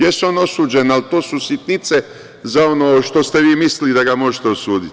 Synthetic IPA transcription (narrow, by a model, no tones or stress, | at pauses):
jeseo̞no̞suːd͡ʑenalt̪oːsusit̪nit̪se | zao̞noːʃt̪o̞st̪eʋiːmislid̪aɡamo̞ʒet̪eosuːd̪it̪